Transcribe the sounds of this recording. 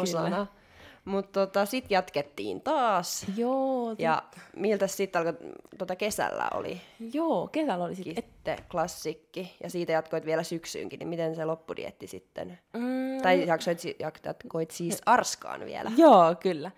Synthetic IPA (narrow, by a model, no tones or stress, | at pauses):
osɑnɑ | mut̪tot̪ɑsit̪jɑt̪ket̪ːḭːnt̪ɑːsjoːjjɑmilt̪æssit̪ːɑlkɑt̪uot̪ɑkesæ̰lːæ̰o̰lḭjoːkesælolist̪ːḛklɑsːikːijɑsiːt̪æjɑt̪koit̪ʋielæsyksy̰ːŋkinḭmit̪enselopːudḭḛt̪ːisit̪ːḛnt̪ɑijjɑksoit̪sijɑkɑt̪koit̪siːsɑrskɑ̰ːnʋḭḛlʔæjoːkylːæ